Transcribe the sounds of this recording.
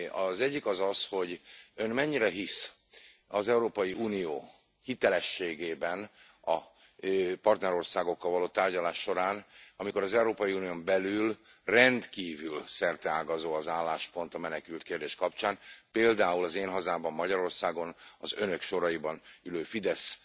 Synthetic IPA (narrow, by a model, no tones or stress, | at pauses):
ɒzɛɟːikɒzɒsho̞ɟønmɛɲːiɾɛɦis | ɒzɛuɾoːpɒjiuːnijoː | hit̪ɛlɛʃːeːɡeːbɛn | ɒ | pɒrt̪nɛɾo̞rsaːɡo̞kːɒlvɒloːt̪aːrɟɒlaːʃːo̞ɾaːnɒmiko̞ɾɒzɛuɾoːpɒjiuːnijombɛlylrɛnt̪kiːvylsɛrt̪ɛaːɡɒzoːɒzaːlːaːʃpo̞nt̪ɒmɛnɛkylt̪keːrd̪eːʃkɒpt͡ʃaːnpeːld̪aːulɒzeːnɦɒzaːbɒmːɒɟɒɾo̞rsaːɡo̞nɒzønø̞kʃo̞ɾɒibɒnyløːfid̪ɛs